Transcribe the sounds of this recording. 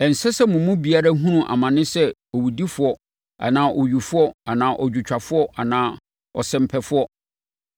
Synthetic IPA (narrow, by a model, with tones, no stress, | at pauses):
ɛ˨n̩˨sɛ˦sɛ˦mʊ̃˨mũ˦bi˨a˦ɾa˦ɦũ˦nũ˦ʔa̰˨mã˨nɪ̃˦sɛ˦ɔ˨wi˨di˦fʊ˦ɔ˦ | a̰˨nãː˦ʔɔ˨ɥu˨fʊ˦ɔ˦a˨nãː˨ʔɔ˨d͡ʑᶣu˨t͡ɕᶣa˨fʊ˦ɔ˦ʔa˨nãː˨˦ | ɔ˨sɛ̃˨m̩˨pʰɛ˨fʊ˦ɔ˦